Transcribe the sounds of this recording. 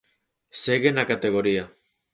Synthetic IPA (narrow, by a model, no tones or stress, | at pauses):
seɣenakat̪e̞ɣo̞ɾia